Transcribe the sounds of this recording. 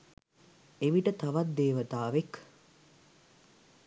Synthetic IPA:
eʋiʈət̪aʋat̪̚d̪eːʋət̪aːʋek

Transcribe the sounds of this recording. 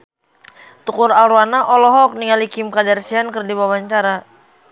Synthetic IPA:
t̪ukʊɾalɾwanaʔɔlɔɦɔk̚niŋalikimkadarsiankərdibawaɲt͡ʃaɾa

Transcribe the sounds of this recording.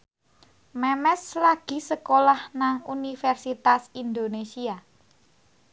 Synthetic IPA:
mɛmɛslaɡ̥i̤səkolahnaŋunifɛrsit̪asind̪onesia

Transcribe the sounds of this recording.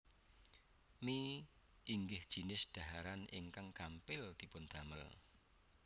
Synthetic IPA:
mi | ʔiŋɡɪhd̥ʒ̥inɪsɖ̥a̤ɦaɾanɪŋkaŋkampɪld̪̥i̤pʊnd̪̥a̤mə̰l

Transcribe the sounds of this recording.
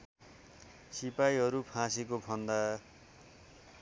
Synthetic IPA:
sipajɦʌɾupʰãsekobʰʱʌnd̪a

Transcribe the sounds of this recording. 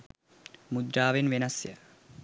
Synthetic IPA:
mud̪ɾaːʋenʋenɐsjə̰

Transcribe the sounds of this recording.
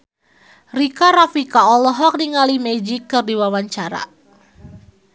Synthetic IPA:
rikaɾafikaɔlɔɦɔk̚niŋalimɛd͡ʒikːɨrdiwawaɲt͡ʃaɾa̰

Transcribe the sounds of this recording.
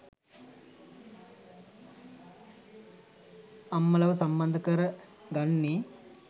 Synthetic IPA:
ɐmːɐlɐʋusɐmbɐnd̪ʱɐkɐɾɐ | ɡɐɳːi

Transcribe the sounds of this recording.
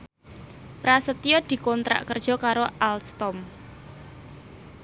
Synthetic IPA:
pɾasət̪iɔd̪̥i̤kɔnt̪ɾa̰ʔkərd̥ʒ̥ɔ̤kaɾoʔalst̪ɔm

